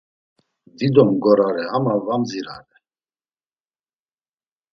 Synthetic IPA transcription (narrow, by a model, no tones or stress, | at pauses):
d̪id̪ɔmɡɔɾaɾɛamavamziɾa̰ɾɛ